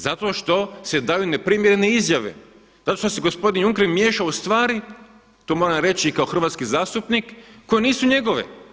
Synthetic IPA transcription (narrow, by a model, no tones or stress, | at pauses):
zat̪o̞ʃt̪o̞se̞d̪ajune̞pɾiːmjeɾene̞izjaʋe̞̰ | zat̪o̞ʃt̪oseɡo̞spo̞d̪injuŋkeɾmje̞ːʃaust̪ʋaːɾi | t̪oːmo̞ɾamɾe̞t͡ɕikaoxr̩ʋat̪skizaːst̪upnikːo̞jeniːsuɲe̞ɡo̞ʋe̞̰